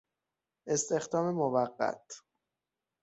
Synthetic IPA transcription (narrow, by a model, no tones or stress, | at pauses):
ʔe̞st̪ʰe̞xd̪ɒːmemovæɢːæ̰t̪ʰ